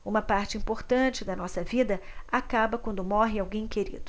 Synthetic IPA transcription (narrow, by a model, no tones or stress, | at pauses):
ũmɐpaɾt͡ʃɪĩpoɾt̪ɐ̃t͡ʃɪd̪ɐnɔsɐvid̪ɐakabɐkwɐ̃nd̪ʊmɔɦɪawɡẽj̃keɾḭd̪ʊ